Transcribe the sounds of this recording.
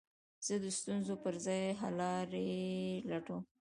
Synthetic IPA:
z̥əd̪əst̪unzopəɾzɑjɦalɑɾelaʈo

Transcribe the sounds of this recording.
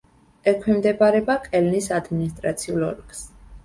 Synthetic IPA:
ɛkʰwɛmd̪ɛbaɾɛbakʼɛlnisad̪minist̪ʼɾa̰t̪sʰiulɔ̰ɾks

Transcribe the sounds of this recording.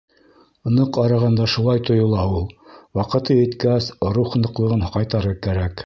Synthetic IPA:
ŏnɤqɑɾɑʁɑnd̪ɑʃulˠɑjt̪ŏjŏlˠɑulˠwɑqɤ̆t̪ɤjɘ̆t̪kæsɾuχnɤ̆qlˠɤ̆ʁɤnqɑjt̪ɑɾɤkæɾæk

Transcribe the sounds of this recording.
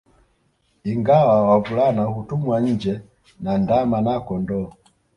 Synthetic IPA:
iŋɡawawavulanahutumwaɲ̩d͡ʒɛ | nandamanakɔndɔ

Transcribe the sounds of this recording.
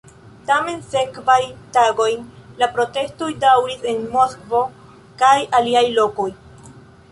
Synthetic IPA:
tame̞nse̞kvajtaɡo̞jnlapɾo̞te̞sto̞jdawɾise̞nmo̞skvo̞ | kajaliajlo̞ko̞j

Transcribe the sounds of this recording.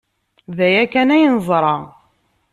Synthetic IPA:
ðæjækænæjnzˤɾˤɑ

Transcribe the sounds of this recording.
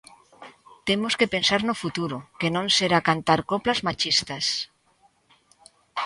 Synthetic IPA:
t̪emoskepensaɾnofut̪uɾʊkenõŋseɾakant̪aɾkoplazmat͡ʃist̪as

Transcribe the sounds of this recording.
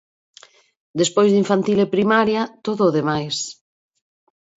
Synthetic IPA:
d̪espojzðiɱfant̪ilepɾimaɾjat̪oðʊːðemajs

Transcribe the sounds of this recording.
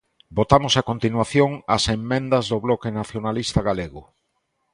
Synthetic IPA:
bot̪amʊsakont̪inwaθjoŋɐsemːẽnd̪ɐzðoβlɔkenaθjonalist̪aɣaleɣʊ

